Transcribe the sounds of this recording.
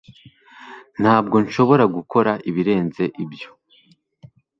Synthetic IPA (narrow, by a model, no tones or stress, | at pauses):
n̥haːb̚ɡo̞nʃo̞βo̞ɾaɡukʰo̞ɾaʔiβiɾe̞ːnze̞ʔibjo̞̥